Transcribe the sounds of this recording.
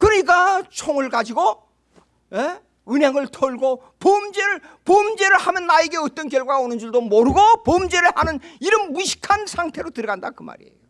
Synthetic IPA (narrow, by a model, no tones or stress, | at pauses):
kɯɾʌɲik͈at͡ɕʰoŋɯɭɡad͡ʑiɡo | je | ɯnɦeŋɯɭtʰʌɭɡo | pomd͡ʑeɾɯɭ | pomd͡ʑe̞ɾɯɭhamjʌnːaeɡe̞ʌt͈ʌnkjʌɭɡwaɡaonɯnd͡ʑuɭdomoɾɯɡopomd͡ʑe̞ɾɯɭhanɯniɾɯnmuɕʰi̥kʰansʰaŋtʰe̞ɾotɯɾʌɡandakɯma̰ɾḭḛjo